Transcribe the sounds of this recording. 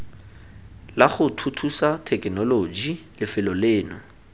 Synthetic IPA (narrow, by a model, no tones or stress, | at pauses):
laχʊtʰutʰusatʰɛknɔlod͡ʒilɪfɪlɔleːnʊ